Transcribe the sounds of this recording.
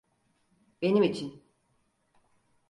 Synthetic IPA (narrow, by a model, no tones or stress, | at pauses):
be̞nimit͡ʃʰin